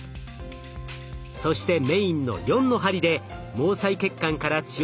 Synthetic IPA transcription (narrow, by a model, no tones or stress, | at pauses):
so̞ɕi̥t̪e̞me̞ĩnːo̞̰jõ̞nːo̞ɦaɾʲid̪e̞ | mo̞ːsaike̞kːãŋkaɾat͡ɕi